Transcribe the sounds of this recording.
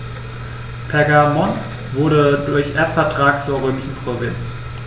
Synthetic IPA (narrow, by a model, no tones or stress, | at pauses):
pʰɛɐɡamɔn | vʊɐɾədʊɐçʔɛɐtfɛɐtʁ̥aːkt͡suːɐʁøːmɪʃn̩pʁ̥ovɪnt͡s